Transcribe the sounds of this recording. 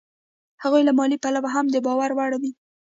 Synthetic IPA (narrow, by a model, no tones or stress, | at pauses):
haɣujlamɑlipalawaɦamd̪əbɑwaɾwaɽawi